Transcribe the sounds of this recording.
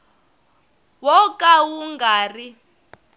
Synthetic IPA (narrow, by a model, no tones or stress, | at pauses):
wɔkʼawuŋɡaːri